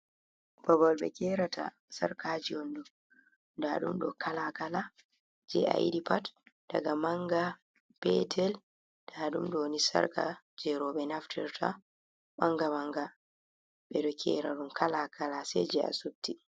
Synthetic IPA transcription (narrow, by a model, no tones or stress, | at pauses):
babalɓɛ̰kɛɾatʰa̰ | sa̰ɾkʰaːd͡ʒiondu | daɗṵmɗɔ̰kʰalakala | d͡ʒɛ̰a̰ḭɗipatd̥a̰ɡamaŋɡa | pɛtʰɛl | d̥aɗumɗɔnisa̰ɾka̰ | d͡ʒɛɾɔɓɛnaftʰiɾtʰa̰ | maŋɡamaŋɡa | ɓɛɗɔkʰɛ̰ːɾaɗumkalakʰalasɛd͡ʒɛa̰sub̚ti